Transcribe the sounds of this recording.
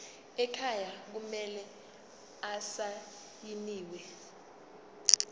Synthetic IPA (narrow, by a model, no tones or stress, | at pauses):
ɛkʰajak̬umɛlɛ | asa | jiniːwɛ